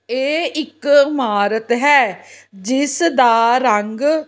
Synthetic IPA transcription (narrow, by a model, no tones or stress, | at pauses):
eːɪkmaːɾət̪ɦɛːd͡ʒɪsd̪aːɾəŋɡ